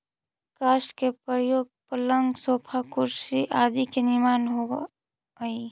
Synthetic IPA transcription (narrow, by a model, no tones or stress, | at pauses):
kaːskepəɾjoːɡ̚pələŋɡsoːpʰakʊɾsiʔaːd̪ikenɪmaːnɦo | i